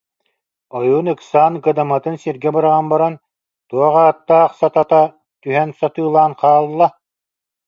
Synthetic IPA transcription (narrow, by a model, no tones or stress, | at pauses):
ɔjuːnɯksaːnɡɯd̪amat̪ɯnsiɾɡɛbɯɾaʁanbaɾan | t̪uɔʁaːt̪ːaːχsat̪at̪a | t̪yɦɛnsɔt̪ɯːlˠaːnqaːlˠːa